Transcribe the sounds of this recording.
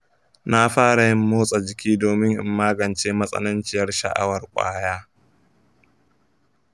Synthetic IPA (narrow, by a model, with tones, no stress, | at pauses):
na˦ɸaː˦ɽa˨jɪ˦mːoː˦sʼa˨d͡ʒɪ˨kʲiː˦doː˨mɪ˦ŋʔɪ̰˦mːaː˦ɡɐ˨nt͡ʃeː˦mɐ˦sʼɐ̰˦nʊ˦nt͡ʃɪ˦jɐ˦rʃɐ̰˨ʔa̰˦wɐ˨rkʷʼa̰ː˦jaː˦